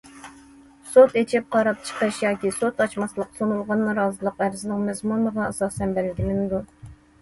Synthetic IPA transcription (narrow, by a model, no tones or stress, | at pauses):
sot̪et͡ʃʰɪp̚qʰɑɾɑp̚t͡ʃʰə̥qəʃjɑːkʲisot̪ɑt͡ʃmɑslˠəqsonulˠʁɑnːɾɑːzɨlˠəqæɾzɪnɪŋmɛzmunəʁɑɑsɑːsɛnbælɪɡʲilɪnɪd̪u